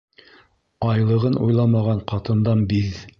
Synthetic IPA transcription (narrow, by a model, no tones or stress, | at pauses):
ɑjlˠɤ̆ʁɤnʔṵjlˠɑmɑʁɑɴqɑt̪ɤ̆nd̪ɑnbið